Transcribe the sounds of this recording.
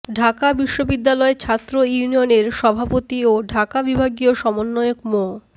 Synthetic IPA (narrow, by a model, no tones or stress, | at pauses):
ɖʱakabiʃːobid̪ːalɔet͡ɕʰat̪ːɾojunioneɾʃɔbʱapot̪ioɖʱakabibʱaɡioʃɔmonːɔjokmo